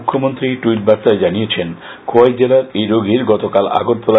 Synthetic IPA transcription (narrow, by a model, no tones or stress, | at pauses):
kʰːomont̪ɾiʈuiʈ̚bast̪aed͡ʑaniet͡ɕʰen | kʰoajd͡ʑelaɾejɾoɡʱiɾɡɔt̪okala̰ɡot̪̚pola